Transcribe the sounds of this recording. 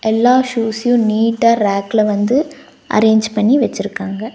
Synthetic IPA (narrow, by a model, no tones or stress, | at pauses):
ʔɛlːaːʃuːsjʊ̃niːʈːaːɾaːklɐʋɐnd̪ɯ | ʔɐ̰ɾeːɲd͡ʒpɐɳːiʋɐt͡ʃːɪɾɯkːaːŋɡɐ